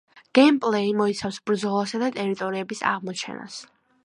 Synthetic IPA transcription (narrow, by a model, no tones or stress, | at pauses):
ɡ̥ɛmpʼlɛimɔit̪sʰafsbɾd̪zɔlˠasad̪at̪ʼɛɾit̪ʼɔɾiɛbisa̰ʁmɔt͡ʃʰɛ̰na̰s